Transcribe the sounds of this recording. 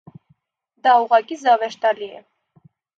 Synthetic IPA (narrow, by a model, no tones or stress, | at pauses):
d̪ɑuʁɑkʼizɑvɛʃt̪ɑliɛ̰